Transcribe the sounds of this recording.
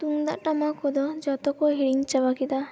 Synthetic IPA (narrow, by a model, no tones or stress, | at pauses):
t̪uŋd̪aʔʈamakɔd̪ɔd͡ʒɔt̪ɔkɔɦiɽiŋt͡ʃabakid̪a